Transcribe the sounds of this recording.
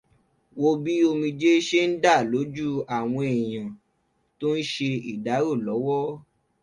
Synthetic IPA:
wo˧bi˦o˧mĩ˧d͡ʒe˦ʃe˦n̩˦da˦˨lo˨˦d͡ʒu˦a˦˨w̃ɔ̃˧e˨j̃ã˨ | to˦n̩˦ʃe˧i˦˨da˨˦ɾo˦˨lɔ˨˦wɔ˦

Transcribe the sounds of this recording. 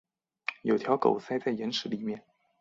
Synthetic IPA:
jo˨˩ʊt̪ʰjɑ˧˥ʊko˨˩ʊsa˥˧ɪt͡sa˥˩ɪjɛ˧˥nʂɻ̩˧˥li˨˩mjɛ˥˩n

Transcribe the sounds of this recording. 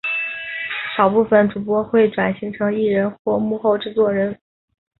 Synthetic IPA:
ʂɑ˨˩ʊpu˥˩fə˩nʈ͡ʂu˨˩p̬wɔ˧˥xwe˥˩ɪʈ͡ʂwa˨˩nɕi˧˥ŋʈ͡ʂʰɤ˧˥ŋi˥˩ɻə˧˥nxwɔ˥˧mu˥˧xo˥˧ʊʈ͡ʂɻ̩˥˧t͡swɔ˥˩ɻə˧˥n

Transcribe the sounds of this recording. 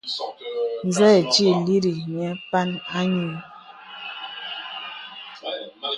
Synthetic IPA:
n˨zɛː˦˨t͡ʃi˦li˦ɾi˨ɲ˨ɛ˨˦pa˦na˦ɲu˦˨n

